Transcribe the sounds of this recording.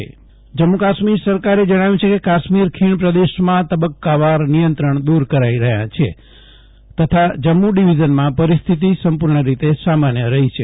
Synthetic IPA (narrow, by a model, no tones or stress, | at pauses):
d͡ʒəmːukaʃmiɾsəɾkaɾed͡ʒəɽ̃aʋjũt͡ʃʰekekaʃmiɾkʰiɳ̃pɾəd̪eʃmãt̪əbəkːaʋaɾnijənt̪ɾəɳd̪uɾkəɾaiɾəɦjã̰t͡ʃʰe | t̪ət̪ʰad͡ʒəmːuɖiʋid͡ʒənmãpəɾist̪ʰit̪isəmpuɾɳəɾit̪esamanjəɾəɦit͡ʃʰe